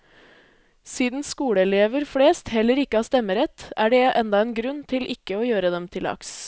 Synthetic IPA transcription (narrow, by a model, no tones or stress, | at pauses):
siːd̪n̩skuːɽəɛleːʋəɾfɽeːst̪hɛləɾɪkːəɑːst̪ɛməɾɛt̪æːɖɛːʔɛnd̪ɑeːnɡɾʉnt̪ʰɪlʔɪkəoːjøːɾəd̪ɛmt̪ʰɪlɑ̰ks